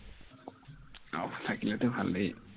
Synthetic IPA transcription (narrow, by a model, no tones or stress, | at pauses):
a̰wtʰakilɛtʊbʱalej